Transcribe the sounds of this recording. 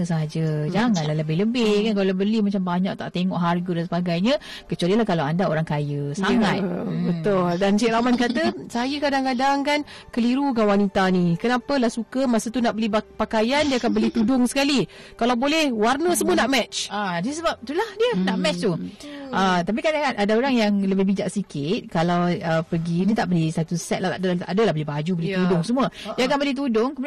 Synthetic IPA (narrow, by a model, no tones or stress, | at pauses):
əs̬əɦad͡ʒəd͡ʒaŋanlaɦləbɪhləbɪhkankalabəlimat͡ʃambaɲak̚t̪a̰ʔt̪eŋɔʔɦarɡədans̬əbaɡajɲə | kət͡ʃualilahkalawandao̰ɾaŋkajəsaŋat̪bət̪ʊldansiʔɾamankat̪əsajəkadaŋkadaŋkan | kəliɾukanwanit̪anikənapəlahsukəmasət̪unaʔbəlipakajandiəakanbəlit̪udʊŋsə̥kalikalawbolɛhwarnəsəmuənaʔmɛt͡ʃadiəsəbap̚t̪ulahdiənaʔmɛt͡ʃt̪uət̪ap̬ikadaŋkanʔadaoɾaŋjaŋləbɪbid͡ʒaʔsikʰɪt̪̚kalawəpəɡidiət̪aʔpəlisat̪usɛt̪̚lat̪aʔdəaʔadəlabəlibad͡ʒubəlit̪udʊŋsəmuədiakanbəlɛht̪̬udʊŋkəmud